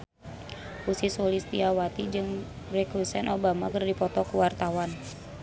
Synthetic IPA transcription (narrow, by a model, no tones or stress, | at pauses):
usisolist̪iawat̪id͡ʒɨŋ | rɛkusɛnʔobamakɨrdipɔt̪ɔkuwart̪awan